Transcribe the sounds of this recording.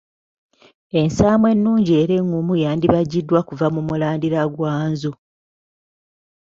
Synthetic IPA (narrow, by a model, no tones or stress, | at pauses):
e̞nsaːmwe̞nːuːɲɟie̞ːɾe̞ŋumujaːndiβaɟːidːwakuvamumulaːndiɾaɡwaːnzo